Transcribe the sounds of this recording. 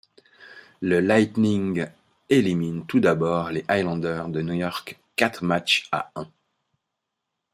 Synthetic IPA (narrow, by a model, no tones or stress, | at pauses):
ləlajt̪niŋɡ | elimint̪ud̪abɔʁleʔajlɑ̃d̪œʁd̪ənujɔʁkː | at̪χmat͡ʃa̰ɛ̃